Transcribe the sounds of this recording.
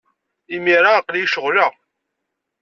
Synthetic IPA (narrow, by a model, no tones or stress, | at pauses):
imiɾˤaqlijʃəʁlə